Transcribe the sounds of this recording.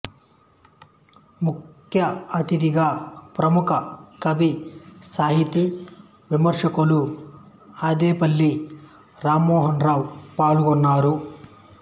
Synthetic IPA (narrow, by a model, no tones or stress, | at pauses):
muk | jɐɐt̪id̪iɡaːpɾɐmukʰɐkɐbisaːɦit̪i | ʋimɐɾʂɐkulu | ɐd̪eːpɐlːi | ɾaːmoːɦɐnɾaːwpaːluɡɔnːaːɾu